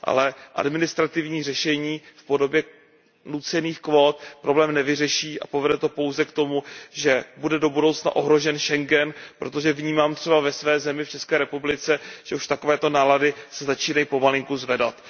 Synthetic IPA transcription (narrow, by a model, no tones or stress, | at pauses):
ʔa̰lɛʔa̰dmɪnɪst̪ɾat̪ɪvɲiːr̝ɛʃɛɲiːfpo̞do̞bjɛ | nut͡sɛniːxkvoːt̪̚pɾʔo̞blɛːmnɛvɪr̝ɛʃiːʔa̰povɛdɛt̪o̞po̞wzɛkt̪o̞muʒɛbudɛdo̞budowt͡sna̰ʔo̞ɦɾo̞ʒɛnʃɛŋɡɛnpɾʔo̞t̪o̞ʒɛvɲiːmaːmt̪r̥ɛbavɛsvɛːzɛmɪft͡ʃɛskɛːɾɛpublɪt͡sɛʒ̥ɛuʃt̪ako̞vɛːt̪o̞naːladɪsɛzat͡ʃiːnajipo̞malɪŋkuzvɛdat̪